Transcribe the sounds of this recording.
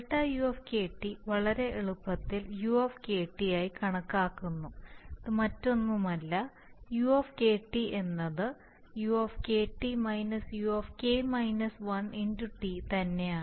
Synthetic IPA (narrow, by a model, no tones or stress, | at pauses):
ʈːajuefke̞ːʈːiʋɐɭɐɾe̞eɭupːɐt̪ːiljuɐfkeːʈːijaːjikɐɳɐkːaːkːunːuɐðɨmɐtːo̞nːumɐlːɐ | juefke̞ːʈːie̞nːɐðɨ | juɐfke̞ːʈːimɐjnɐsjuɐfkeːmɐjnɐsʋɐnenduʈːit̪ɐnːe̞aː